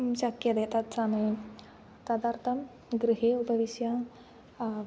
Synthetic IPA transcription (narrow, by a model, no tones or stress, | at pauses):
ɕəkjɐd̪et̪at̪̚t͡sanəj | t̪əd̪aɾt̪ʰəm | ɡɾiɦeupəʋiɕja